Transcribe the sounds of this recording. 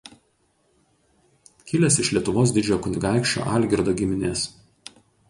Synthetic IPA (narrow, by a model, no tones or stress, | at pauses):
kʲɪlʲɛsɪʃlʲiɛt̪ʊʋoːs̬d̪ʲɪd͡ʒʲokʊnʲɪɡɑˑɪkʃʲt͡ʃʲo̰ːʔɑˑlʲɡʲɪɾd̪oːɡʲɪmʲɪnʲeːs